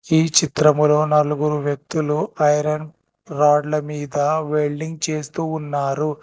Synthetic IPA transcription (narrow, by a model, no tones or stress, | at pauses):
iːt͡ʃit̪ɾɐmulo̞ːnɐluɡuɾuʋjɐk̚t̪uluɐjɾɐn | ɾaːɖlɐmiːd̪ɐʋeɭɖiŋɡ̚t͡ʃe̞ːst̪uːunːaːɾu